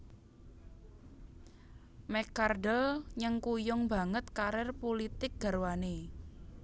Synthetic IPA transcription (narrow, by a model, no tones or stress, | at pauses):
mɛkardəlɲəŋkujʊŋba̤ŋət̪kaɾɛrpolit̪ɪk̚ɡ̥a̤rwane